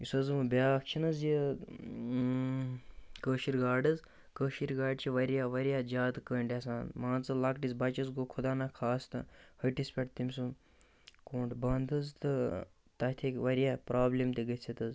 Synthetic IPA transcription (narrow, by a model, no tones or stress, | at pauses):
isɐzmɨbʲaːkt͡ʃʰinɐzji | kəːʃiɾɡaːɖɐz | kəʃiɾɡaːɖt͡ʃʰiʋɐɾjaːʋɐɾʲjaːd͡ʒaːt̪ɨkəːɳʈʲjasaːnmãːnt͡sɨlɐkʈizbɐt͡ʃɐzɡokʰud̪aːnaːkʰaːst̪ɨ̰həʈispʲɐʈt̪imʲsu | koːɳʈbɐnd̪ɨzt̪ɨ | t̪ɐt̪ʰikʋɐɾjaːpɾaːblemt̪ʲiɡɐt͡sʰit̪ɐz